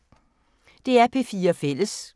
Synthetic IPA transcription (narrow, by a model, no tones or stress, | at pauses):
d̥e̝æɐpʰe̝fiːɐɒfel̰əs